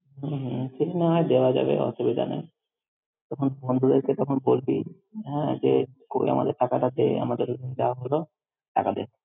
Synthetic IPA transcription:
ɦ̩ɦseʈʰaneɦɔed̪eoad͡ʑa̰bḛɔ̰ʃubid̪ʱa̰na̰j | t̪ɔkʰonbond̪ʱud̪eɾket̪ɔkʰonbolbḭ | ɦɛ̃d͡ʑekoḭa̰ma̰d̪eɾʈʰakaʈad̪ḛa̰mad̪eɾd̪unid̪eoaɦolo | ʈʰa̰kad̪ḛ

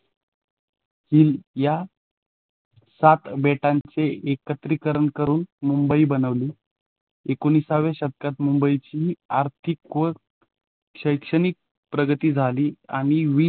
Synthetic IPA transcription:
hilja | sat̪beʈant͡seekət̪ɾikəɾəɳkəɾuːnmumbəiːbənəʋliː | ekonisaʋeɕəd̪̚kat̪mumbəit͡ɕiːaɾt̪ʰikʋə | ɕəjkʂəñik̚ | pɾəɡət̪iːd͡zʱaliːa̰ɽ̃iʋiː

